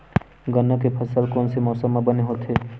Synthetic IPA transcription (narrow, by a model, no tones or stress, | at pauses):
ɡənːakepʰəsəlkoːnsemɔːsəmːabəneɦoːt̪ɦeː